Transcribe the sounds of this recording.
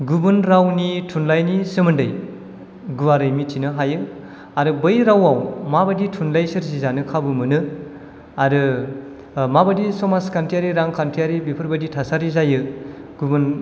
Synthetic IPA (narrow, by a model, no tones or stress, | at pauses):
ɡubɯnɾawnitʰunlajnisɯmɯndɯj | ɡuwaɾɯjmitʰinɯɦajɯ | aɾɯbɯjɾawawmabaditʰunlajsɯɾzizanɯkʰabɯmɯnɯ | aɾɯ | mabadisɔmaskʰantʰijaɾiɾaŋkʰantʰijaɾibipʰɯɾbɐditʰasaɾizajɯɡ̥ubɯn